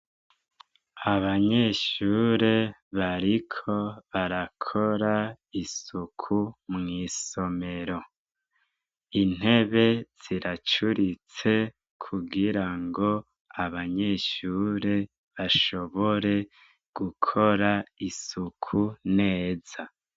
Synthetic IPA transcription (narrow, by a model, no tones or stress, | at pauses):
aβaɲe̞ʃuːɾeβaɾikʰo̞βaɾakʰo̞ɾa | isukʰumŋiːso̞me̞ɾo̞ | in̥e̞βe̞z̥iɾat͡ʃuɾit͡se̞ | kʰuɡiɾaŋɡo̞ | aβaɲe̞ʃuːɾe̞ | βaʃo̞βoɾe̞ | ɡ̥ukʰo̞ɾaisukʰune̞ːza